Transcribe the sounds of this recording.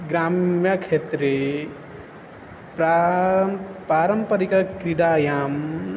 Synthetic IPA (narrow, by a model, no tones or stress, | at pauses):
ɡɾaːmjakʃeːt̪ɾe | pɾa | paːɾɐmpɐɾikakɾiɽaːjaːm